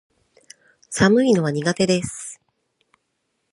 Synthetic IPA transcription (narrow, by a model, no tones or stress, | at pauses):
samɯ̟ino̞βaɲ̟iɡat̪e̞d̪e̞sɨ̥